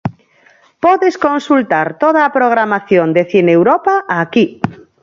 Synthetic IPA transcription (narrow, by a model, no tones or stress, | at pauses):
pɔðeskonsult̪aɾt̪oð̞aːpɾoɣ̞ɾamaθjond̪eθinewɾɔpaʔaki